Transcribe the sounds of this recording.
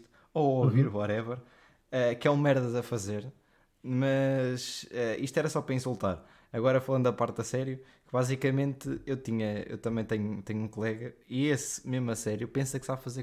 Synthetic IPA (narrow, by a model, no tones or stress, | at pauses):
t̪ | ooviɾβɔɾɛvɛɾ | ɛkɛũmɛɾðɐzɐfɐzeɾ | mɐʃɛiʃt̪wɛɾɐsɔpɾɐĩsulˠt̪aɾ | ɐɣɔɾɐfɐlˠɐ̃nd̪d̪ɐpaɾt̪ɐsɛɾju | kɨβazikɐmẽnt̪ɨewt̪iɲɐḛwt̪ɐmɐ̃j̃t̪eɲut̪eɲũkulˠɛɣɐiesmeʒmɐsɛɾjupẽsɐksafɐzeɾ